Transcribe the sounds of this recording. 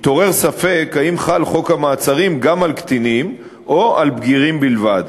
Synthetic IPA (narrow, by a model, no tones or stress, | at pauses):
t̪o̞ʁe̞ʁsafe̞kaimχalχo̞khamaːt͡saʁimɡamalkt̪inim | ʔoʔalbɡiʁimbilvad̪